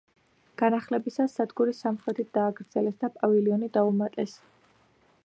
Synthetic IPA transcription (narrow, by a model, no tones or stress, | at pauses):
ɡ̥anaχlɛbisasːad̪ɡuɾisamχɾɛt̪ʰit̪̚d̪̥aːɡɾd̪z̥ɛlɛsd̪apʼaviliɔnid̪aumat̪ʼɛs